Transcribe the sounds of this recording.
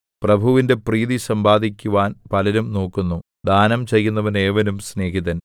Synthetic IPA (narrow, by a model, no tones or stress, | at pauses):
prɐbʱuʋinde̞priːðisɐmbaːd̪ikʲːuʋaːnpɐlɐɾumno̞ːkːunːu | d̪ʱaːnɐmt͡ɕe̞jːunːɐʋɐne̞ːʋɐnumsne̞ːɦiðɐn